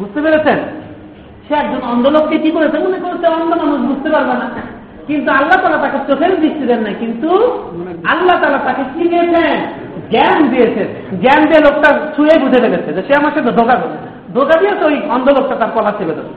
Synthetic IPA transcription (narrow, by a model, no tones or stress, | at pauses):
bud͡ʑt̪epeɾet͡ɕʰen | ʃeɛk̚d͡ʑonɔnd̪olokːekikoɾet͡ɕʰemonekonosʰeɔnd̪ʱomanuʃbud͡ʑt̪epaɾbena | kint̪̬ualːat̪aːlaɾt̪aket͡ɕokʰeɾd̪ist͡ɕʰid̪enːakint̪u | alːat̪alat̪akekid̪iet͡ɕʰe | ɡɛmd̪ijet͡ɕʰe | ɡɛmd̪ielok̚ʈat͡ɕʰuebud͡ʑʱepeɾet͡ɕʰed͡ʑeʃeamaɾʃed̪ʱokabo | d̪ʱokad̪ijesʰojɔnd̪olok̚ʈat̪aɾkɔlat͡ɕʰebed̪o̰b